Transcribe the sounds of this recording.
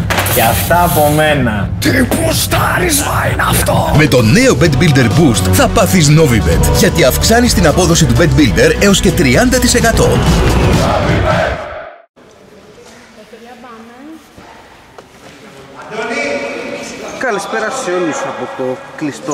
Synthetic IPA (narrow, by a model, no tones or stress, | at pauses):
ceɐft̪ɐːpo̞menɐ | t̪ɾipust̪ɐɾizvainɐft̪ome̞t̪o̞ne̞o̞bet̪bild̪e̞ɾbust̪θɐpɐθizno̞vibed̪ʝɐt̪iɐfksɐnist̪inɐpo̞ðo̞sit̪ube̞t̪bild̪e̞ɾe̞o̞sce̞t̪ɾiɐnd̪ɐt̪ise̞kɐt̪o̞̰ | kɐlispe̞ɾɐseolusɐpot̪o̞klist̪o